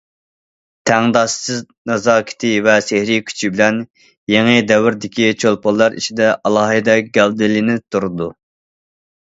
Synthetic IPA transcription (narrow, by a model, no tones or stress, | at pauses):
t̪ʰæŋd̪ɑʃsɨznɑzɑːkʲʰi̥t̪ʰɪvɛsehɾikʲʰy̥t͡ʃʰibɪlɛn | jeŋɨd̪ɛwɪɾd̪ɪkʲit͡ʃʰolˠpolˠːɑɾḭt͡ʃʰid̪ɛʔɑlˠɑːɦɨd̪ɛɡʲɛld̪ɪlɪnɪp̚t̪ʰːuɾud̪u